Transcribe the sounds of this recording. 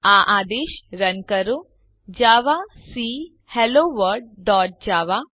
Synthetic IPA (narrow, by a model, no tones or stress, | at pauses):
aʔaːd̪eːʃɾənkəɾo | d͡ʒaːʋasi | hɛloːʋəɾɖ̚ɖɔːʈ̚d͡ʑaːʋa